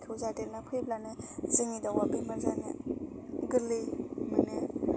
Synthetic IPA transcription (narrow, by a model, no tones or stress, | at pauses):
kʰɯwzadelnapʰɯjblanezɯŋidawabimaɾzanḛ | ɡɯlimane